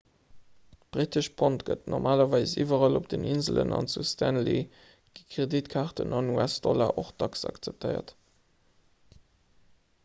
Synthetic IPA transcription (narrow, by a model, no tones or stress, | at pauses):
b̥ʁitəʃpʰontɡətnɔʁmʔaːlɐvæɪsivɐʁɑlopd̥əninzələ̰nɑ̰nt͡sustʰænli | ɡ̥ikʁeditkʰɑʁtənɑnuæsdolaʔoχdɑksɑ̰kt͡sɛp̚tʰəɪɐ̰t